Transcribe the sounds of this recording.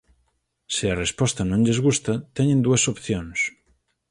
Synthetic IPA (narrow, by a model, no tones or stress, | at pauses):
sɪɐrespɔst̪ɐnõŋʎezɣust̪ɐt̪ɛɲẽnd̪uesopθjoŋs